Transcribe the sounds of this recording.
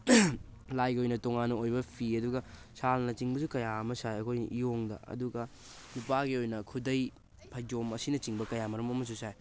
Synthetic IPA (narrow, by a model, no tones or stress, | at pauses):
lajɡiojnɐtoŋanːɐojbɐpʰiɐduɡɐsalnɐt͡ʃiŋbɐsukɐjaɐmɐsajɐkʰojijoŋdɐ̰ɐ̰duɡɐ | nupaɡiojnɐkʰudɐj | pʰɐjd͡ʒomɐsinɐt͡ʃiŋbɐkɐjamɐɾɐmɐmɐs̬usaj